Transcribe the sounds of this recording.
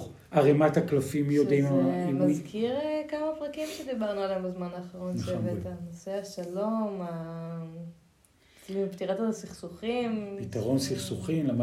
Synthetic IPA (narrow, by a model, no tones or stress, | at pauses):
aʁemat̪aklafimjodimimazkiʁekamapʁakimʃed̪ibaʁnualaambezmanaːχaʁonsevetanoseaʃaloma | t͡slimpt̪iʁat̪asiχsuχimpit̪aʁo̞nsiχsuχimlama